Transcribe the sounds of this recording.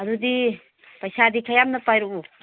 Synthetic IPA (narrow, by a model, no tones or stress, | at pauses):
ɐdudi | pɐjsadikʰajamnɐpajɾuku